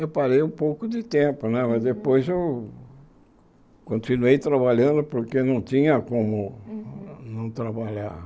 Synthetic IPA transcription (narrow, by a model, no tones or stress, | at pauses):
ewpaɾejũpowkʊd̪ɪt̪ẽmpʊnɛmɐzd̪epojzew | kõnt̪inuejt̪ɾaβaʎɐ̃nd̪ʊpoɾkenɐ̃w̃t̪ĩɲɐkõmʊ | nɐ̃w̃t̪ɾabaʎaɾ